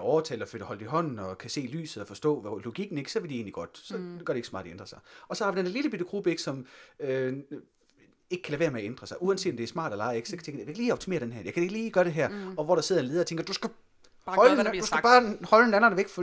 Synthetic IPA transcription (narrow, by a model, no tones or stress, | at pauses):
ɒːt͡sʰɛ̰ːlɒfød̥hɒ̽ld̥iɦɒ̽n̰n̩ɒ̽kʰæse̝̰ːly̰ːsð̩ˠɒfɒ̽sd̥ɔ̰ːlo̝ɡ̥iɡ̥n̩e̝ɡ̥sɒ̽ʋeldie̝ːnliɡ̥ɒ̽d̥sɒ̽ɡ̥ɶɐɾee̝ɡ̥smɑ̰̈ːd̥iend̥ʁɐsɑ̈ɪɒ̽sɒ̽hɑ̈ʋid̥eneɐliləbid̥əɡ̥ʁub̥əe̝ɡ̥sɒ̽mø | e̝ɡ̥kʰæleʋe̝ːɐmeæend̥ʁɐsɑ̈ɪʔuænse̝̰ːd̥ɒmd̥eæɐsmɑ̰̈ːd̥ælɑ̈ɪe̝ɡ̥sɒkʰt͡sʰeŋɡ̥ə̥jeɡ̥liːɒ̽b̥t͡sʰimḛːɐd̥enɦæɐ̰jɑkæ̥e̝ɡ̥liːɡ̥ɶɐɾ̥e̝ɦæɐ̰ɒ̽ʋɒɾ̥ɑ̈se̝ð̰ˠenle̝ðˠɐɒt͡sʰeŋɡ̥ɐd̥usɡ̥æ | hɒld̥usɡæb̥ɑ̈ːhɒ̽lenænnʋeɡ̥fɒ